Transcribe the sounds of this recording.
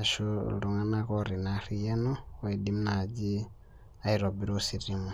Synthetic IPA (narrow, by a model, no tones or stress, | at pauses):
aʃuluŋanakoɾinarijanowedimnad͡ʒi | aiɾobiɾosiɾimo